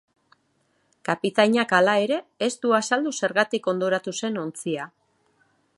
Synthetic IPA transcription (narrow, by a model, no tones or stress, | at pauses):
kapit̪aɲakalae̞ɾe̞ːst̪uasald̪use̞ɾɣat̪iko̞nd̪o̞ɾat̪use̞no̞nt͡sia